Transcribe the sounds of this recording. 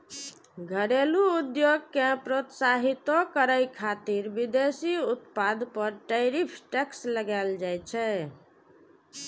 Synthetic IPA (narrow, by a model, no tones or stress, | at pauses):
ɡʱəɾeluud̪joɡkepɾot̪saɦit̪okəɾəjkʰat̪iɾbid̪esiut̪pad̪pəɾʈəɪɾipʰʈɛksləɡɛld͡ʒajt͡ʃʰɛ